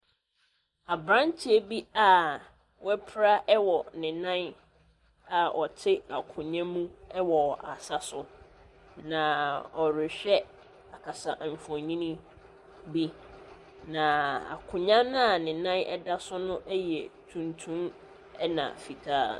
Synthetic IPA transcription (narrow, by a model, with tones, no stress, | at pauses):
a˨bɾã˦nt͡ɕʰɪ˦e˦bi˦a˦ | wɛ˦pʰɾa˦ʔɛ˦wɔ˨nɪ̃˨nã˦n | a˨ʔɔ˨tʰɪ˦a˨kʰʊ̃˨ɲã˦mũ˦ɛ˦wɔ˨a˨sa˦sʊ˦ | nã˨ɔ˨ɾɪ˨ɕᶣɛ˦ | a˨kʰa˨sa̰˨ʔm̩˨fɔ̃˨ɲĩ˦nĩ˦ | bi˦ | nã˨a̰˨kʰʊ̃˨ɲã˦n˦a˨nɪ̃˨nã˦nɛ̰˦da˦sʊ˦nʊ̃˦ʔɛ˦jɛ˨tʰũ˨ntʰũ˦m | ɛ˦nã̰˨fi˨tʰaː˦˨